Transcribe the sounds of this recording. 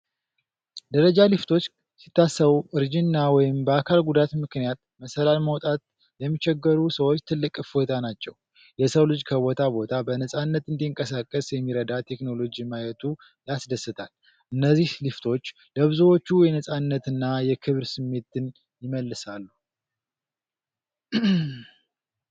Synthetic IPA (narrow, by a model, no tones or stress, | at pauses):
d̪əɾəd͡ʒalɨft̪ʰo̞t͡ʃː | si̥t̪ːasːəβuʔɨɾd͡ʒinːawɔjɪmbəakʰalɡud̪at̪mɨknijat̪̚məsəlalməwt̪ʼat̪̚ | jɛmːit͡ʃɛɡːəɾusəwot͡ʃːt̪ʰɨlːɨkʼfo̞t̪ʰanat͡ʃːɛw | jɛsəwlɨd͡ʒkʰəβo̞t̪ʰabo̞t̪ʰabənəsʼanːət̪ɨnd̪iɨŋkʼəsakʼːəsjɛmːiɾəd̪at̪ʰe̞kno̞lo̞d͡ʒimajɛt̪ʰu | jasd̪əsːɨt̪ʰal | ʔɨnːəzːihlɨft̪ʰo̞t͡ʃː | ləβɨzuwo̞t͡ʃːujɛnəsʼanːət̪ɨnːajɛkʰɨβɾsɨmːe̞t̪ːɨn | jɪməlːɨsalːu